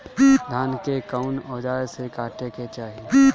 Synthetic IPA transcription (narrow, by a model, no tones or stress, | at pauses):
d̪ʱaːnkekaʊnɔːd͡ʒaːsekaːʈeket͡ʃaːɦi